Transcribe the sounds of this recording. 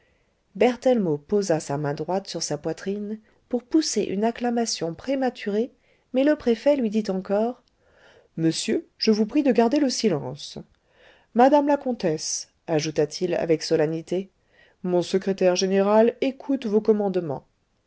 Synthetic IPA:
bɛʁt̪ɛlmopozasamɛ̃d̪ʁwat̪syʁsapwat̪χin | puʁpuseʔynaklamasjɔ̃pχemat̪ʰyʁe | mɛləpχefɛlɥid̪it̪ɑ̃kɔːʁ | məsjøʒ̥əvupχid̪əɡaʁd̪eləsilɑ̃s | mad̪amlakɔ̃t̪ɛs | aʒut̪at̪ʰila̰vɛksɔlanit̪e | mɔ̃səkχet̪ɛʁʒeneʁalekʰut̪vokɔmɑ̃d̪mɑ̰̃

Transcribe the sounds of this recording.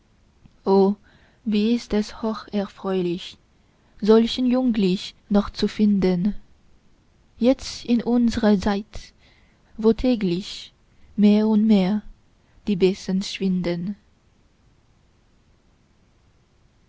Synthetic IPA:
ʔoː | viːɪstɛshoːχɛɐfʁ̥ɔʏlɪç | zɔlçən̩jʊŋɡlɪç | nɔχt͡sufɪndən | jɛt͡stɪnʔʊnzəʁət͡saɪt | voːtʰɛːɡlɪç | meːɐʊntmeːɐ | d̥iːbɛsənʃv̥ɪndən

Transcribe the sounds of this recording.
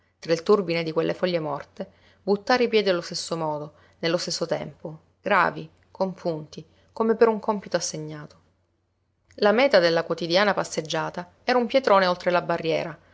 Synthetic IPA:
t̪ɾailt̪urbined̪ikwelːefɔʎːemɔrt̪e | but̪ːaːɾeipjɛːd̪ialost̪esːomɔːd̪o | nelːost̪esːot̪ɛ̰mpo | ɡɾa̰ːvi | kʰoɱpunt̪i | komepeɾuŋkompit̪oasːeɲːaːt̪o̥ | lamɛːt̪ad̪elːakwot̪id̪jaːnapasːed͡ʒːaːt̪a | ɛːɾaumpjet̪ɾoːneolt̪ɾelabarːjɛːɾa

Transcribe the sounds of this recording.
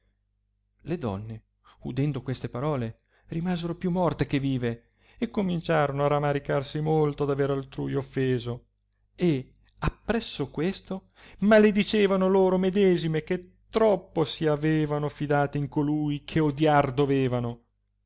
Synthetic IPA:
led̪ɔ̰nːe | ud̪ɛnd̪okwest̪epaɾɔːle | rimaːzeɾopjumːɔrt̪ek̟evːiːve | ekːomint͡ʃaːɾonoaramːaɾikarsimolt̪od̪aveɾalt̪ɾujofːeːzo | e | apːɾɛsːokwest̪o | maled̪it͡ʃeːvanoloːɾomed̪ɛːzimek̟et̪ːɾɔpːosiaveːvanofid̪aːt̪eiŋkolujkʰeod̪jard̪oveːvano

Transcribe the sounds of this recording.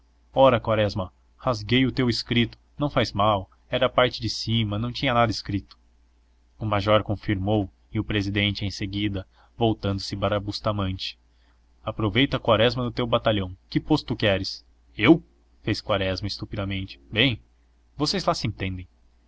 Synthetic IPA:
ɔɾɐkwaɾɛzmɐ | hazɡejʊt̪ewɪskɾit̪ʊ̥nɐ̃w̃fajzmaw | ɛɾɐːpaɾt͡ʃɪd͡ʒɪsĩmɐnɐ̃w̃t͡ʃĩɲɐnad̪ɐɪskɾit̪ʊ̥ | ʊmaʒɔɾkõfiɾmow | ɪʊpɾezid̪ẽnt͡ʃɪẽj̃seɡid̪ɐ | vowt̪ɐ̃nd̪ʊsɪpaɾabust̪amɐ̃nt͡ʃɪ̥ | apɾovejt̪ɐkwaɾɛzmɐd̪ʊt̪ewbat̪aʎɐ̃w̃kɪpost̪ukɛɾɪs | ew | feskwaɾɛzmɐɪst̪upid̪ɐmẽnt͡ʃɪ̥bẽj̃ | vosejzlasɪẽnt̪ẽnd̪ẽj̃

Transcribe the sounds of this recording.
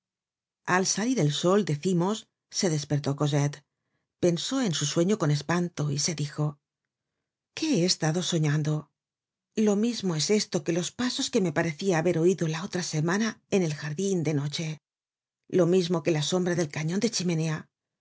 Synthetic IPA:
alsaliɾe̞lso̞ld̪eθimo̞sː | e̞ðe̞spe̞ɾt̪o̞ko̞z̬et̪ | pe̞nso̞e̞nsuswe̞ɲo̞ko̞ne̞spant̪o̞ise̞ðixo̞ | ke̞eːst̪aðo̞so̞ɲand̪o̞ | lo̞mizmo̞e̞se̞st̪o̞ke̞lo̞spaso̞ske̞me̞paɾe̞θiaːβe̞ɾo̞iðo̞lao̞t̪ɾase̞manae̞ne̞lxaɾðind̪e̞no̞t͡ʃe̞ | lo̞mizmo̞ke̞laso̞mbɾaðe̞lkaɲond̪e̞t͡ʃime̞ne̞a

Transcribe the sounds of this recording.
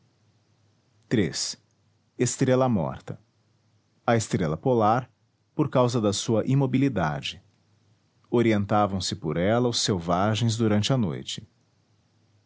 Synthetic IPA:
t̪ɾḛs | est̪ɾelɐmɔ̰ɾt̪ɐ | ɐest̪ɾelɐpolaɾ | poɾkawzɐd̪ɐsuɐʔimobilid̪a̰d͡ʒɪ | oɾiẽnt̪avɐ̃w̃sɪpoɾɛlɐʊsewvaʒẽj̃zd̪uɾɐ̃nt͡ʃɪɐno̰jt͡ʃɪ̥

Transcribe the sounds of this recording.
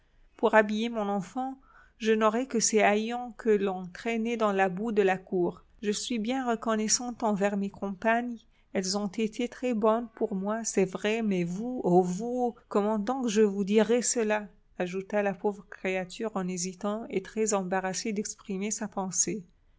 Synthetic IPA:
puʁabijemɔ̃nɑ̃fɑ̃ | ʒənɔʁɛkəsɛajɑ̃kʰəlɔ̃t̪χɛnɛd̪ɑ̃labud̪əlakuːʁ | ʒəsɥibjɛ̃ʁəkɔnɛsɑ̃t̪ɑ̃vɛʁmekʰɔ̃paɲ | ɛlzɔ̃t̪et̪ʰet̪χɛbɔnpuʁmwasɛvʁɛmɛvuovukɔmɑ̃d̪ɔ̃kʒəvud̪iʁɛsəla | aʒut̪alapovʁəkχeat̪yʁɑ̃nezit̪ɑ̃et̪χɛzɑ̃baʁased̪ɛkspχimesapɑ̃se

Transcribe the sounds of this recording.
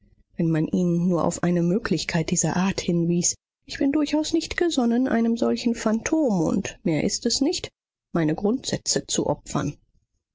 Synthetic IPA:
vɛnmanʔiːnːuːɐʔa̰ʊfʔaɪnəmøːklɪçkʰaɪt̚d̥iːzɐʔaːɐthɪnviːs | ʔɪçb̥ɪndʊɐçaʊsnɪçtɡ̥əzɔnənʔa̰ɪnəmzɔlçn̩fantʰoːmʊ̰ntmeːɐʔɪstɛsnɪçt | maɪnəɡʁʊntz̥ɛt͡sət͡sṵʔɔpfɐn

